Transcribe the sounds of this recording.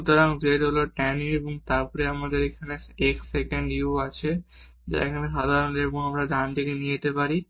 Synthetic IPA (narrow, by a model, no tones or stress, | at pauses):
ut̪oɾaŋd͡ʑeʈɦoloʈɛnieboŋt̪aɾpɔɾeamad̪eɾekʰaneeksekeɳɖiuat͡ɕʰe | d͡ʑa̰ḛkʰaneʃad̪ʱaɾoneeboŋamɾad̪ʱant̪ikenijet̪epaɾi